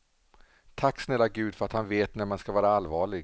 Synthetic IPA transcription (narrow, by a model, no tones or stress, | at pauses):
t̪ʰakːsnɛlːaɡʉ̟ːd̪fœɾat̪hanveːt̪næmanskavɑːɾaalːvɑːɭɪɡ